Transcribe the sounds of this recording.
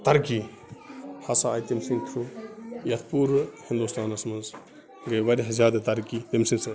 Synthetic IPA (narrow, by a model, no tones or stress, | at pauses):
t̪ɐɾki | hɐsaːjt̪imsiŋt̪ʰɾujɐt̪ʰpuɾhind̪ust̪ʰaːnɐsmɐnz | ɡɐjʋɐɾiɦɐzʲaːd̪ɐt̪ɐɾkit̪emsinsɐ